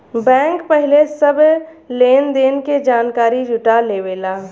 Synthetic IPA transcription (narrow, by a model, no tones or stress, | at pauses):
bɛ̃ːŋkpəɦɪlesəbʱ | leːnd̪eːnked͡ʒaːnkaːɾid͡ʒʊʈaleweːlaː